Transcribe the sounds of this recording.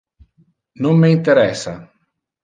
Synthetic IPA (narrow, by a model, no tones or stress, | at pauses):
nomːeint̪eɾɛsːa̰